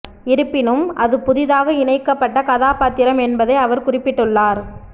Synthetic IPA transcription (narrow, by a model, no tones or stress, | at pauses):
ɪɾɯpːɪnɯmʔɐðɯpʊðɪðaːɣɐɪɳɐɪkːɐpːɐʈːɐkɐðaːpaːt̪ːɪɾɐmɛnbɐðɐɪɐʋɐɾkʊrɪpːɪʈːɯɭːaːɾ